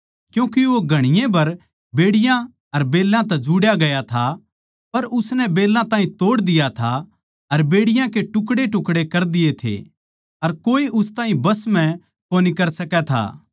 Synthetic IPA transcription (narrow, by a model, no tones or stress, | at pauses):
kjũːkiʋoɡʱɐɽ̃ɪjẽbɐɾ | beːɽɪjã | ɐɾbeːlːãt̪̬ɛd͡ʒuɽjaɡɐjat̪ʰa | pɐɾʊsnɛbeːlːãt̪ãːɦĩt̪oːɽd̪ɪjat̪ʰa | ɐɾbeːɽɪjãkeʈʊkɽeʈʊkɽekɐɾd̪ɪjet̪ʰḛ | ɐɾkoːiʊst̪aːɦĩbɐsmɛ̃ | koːnikɐɾsɐkɛt̪ʰa̰ː